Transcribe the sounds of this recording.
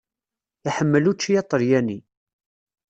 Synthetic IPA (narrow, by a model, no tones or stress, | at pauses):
iħəmːəlut͡ʃːijɑt̪ˤːəɾjæni